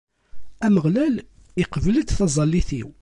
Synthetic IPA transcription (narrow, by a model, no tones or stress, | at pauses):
æməʁlæl | iqəvlət̪θɑzˤɑlːiθiw